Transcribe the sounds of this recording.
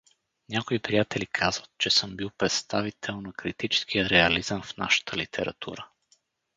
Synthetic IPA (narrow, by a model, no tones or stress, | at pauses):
nʲakoipɾijat̪ɛlikʰazvət̪̚t͡ʃɛsəmbilˠpɾɛt̪st̪avit̪ʰɛlˠnɐkɾit̪it͡ʃɛ̥sk̟ʰijəɾɛɐlizəmfna̰ʃə̥t̪ʰəlit̪ʰɛɾɐ̰t̪ʰṵɾə